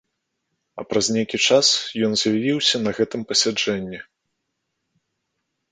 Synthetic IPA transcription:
ɐ̰pɾɐzʲnʲejkʲit͡ʂasjɔnzʲjavʲiwsʲɐnɐɣɛt̪ɨmpɐsʲad͡ʐɛnʲːi

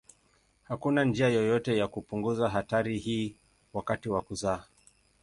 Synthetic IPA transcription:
hakunand͡ʒiajɔjɔtɛjakupuŋɡuzaɦataɾihiː | wakatiwakuzaː

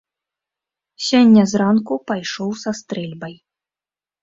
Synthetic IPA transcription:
sʲɔnʲːɐzɾankupajʂɔwsast̪ɾɛlʲbɐj

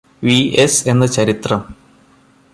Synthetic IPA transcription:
ʋiese̞nːɐt͡ɕɐɾit̪rɐm

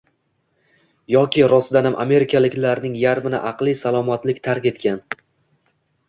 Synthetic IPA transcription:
jɒkʲɪɾɒsd̪anamʔa̰me̞ɾɪkʰalɪkʲlaɾnɪŋjaɾmɪnɪ̰ʔɑqlˠisalˠɒmat̪lɪkʲt̪ʰaɾkʲe̞t̪kʲan

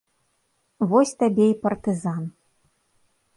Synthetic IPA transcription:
vɔsʲt̪abʲɛipɐrt̪ɨzan

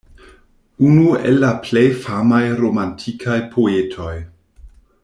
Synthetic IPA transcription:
unuḛlːaplejfamajɾomantʰikʰajpʰoetʰo̞j

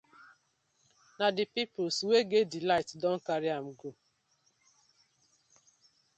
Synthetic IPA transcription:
nadɪpipʊlsweɡedɪlaɪtdɔŋ̩kaɾɪam̩ɡo

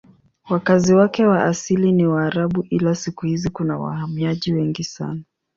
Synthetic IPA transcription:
wakaziwakɛwaʔasiliniwaːɾaɓuʔilasikuhizikunawa̰hamiaʄiwɛŋɡisa̰na

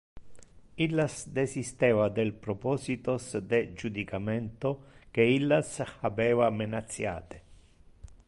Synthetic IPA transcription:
ilːasd̪esist̪ɛːvad̪elpɾopɔːsit̪osd̪ed͡ʒud̪ikamɛnt̪ok̟eilːasavɛːvamenat̪sːja̰ːt̪e̥

